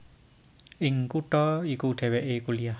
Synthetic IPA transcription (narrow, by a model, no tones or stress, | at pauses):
ʔɪŋkuʈɔikuɖ̥e̤wɛʔekulijah